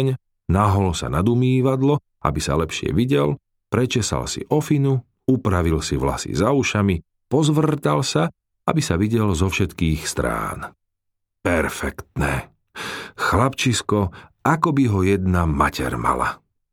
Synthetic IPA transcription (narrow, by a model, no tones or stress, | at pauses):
ɲ | naɦɔlsa̰nad̪umiːʋad̪lɔ | a̰bisa̰lɛpʃɪɛ̰ʋiɟɛl | pɾɛt͡ʃɛsa̰lsḭʔɔfinu | upɾaʋilsiʋla̰sḭzauʃami | pɔzʋr̩t̪alsa | abisaʋiɟɛlzɔfʃɛt̪kiːxst̪ɾa̰ːn | pɛɾfɛkt̪nɛː | xlapt͡ʃiskɔ | akɔbiɦɔjɛd̪nama̰cʰɛ̰ɾma̰la̰